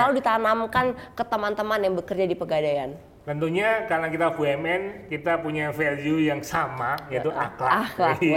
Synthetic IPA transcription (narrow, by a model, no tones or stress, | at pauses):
alawdit̪anamkankət̪əmant̪əmanjaŋbəkərd͡ʒadipəɡadajan | t̪ənt̪uɲakaɾnakit̪afuɛmɛnkit̪apuɲafɛliujaŋsamajait̪uʔa̰kla̰la